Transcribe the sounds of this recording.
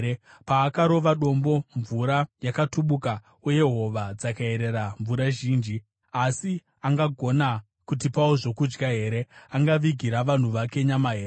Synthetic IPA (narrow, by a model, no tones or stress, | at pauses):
paːkaɾo̞ʋaɗo̞mbo̞ɱvuɾajakatuɓuka | uje̞ɦo̞ʋad͡zakae̞ɾe̞raɱvuɾaʒiːnd͡ʒi | asi | aŋɡaɡʱo̞na | kut̬ipaoʐo̞kud͡ʒɡaɦe̞ɾe̞aŋɡaʋiɡʱiɾaʋan̤uʋake̞ɲamaɦeːɾe